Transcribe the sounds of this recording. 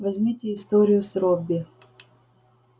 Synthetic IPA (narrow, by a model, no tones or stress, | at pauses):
vɐzʲmʲitʲɪːst̪oɾʲɪjʊsɾobʲːɪ